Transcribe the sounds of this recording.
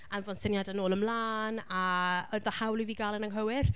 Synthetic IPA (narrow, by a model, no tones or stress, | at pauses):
anvɔnsənjadanoːlˠəmlaːnaɔðɔhawlˠiviːɡalˠənaŋɦəwɪr